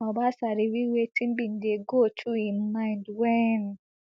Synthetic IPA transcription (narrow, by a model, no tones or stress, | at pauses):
ɔbasaɾiwiwetim̩bin̩deɡotʰuimãɪ̃ndwɛn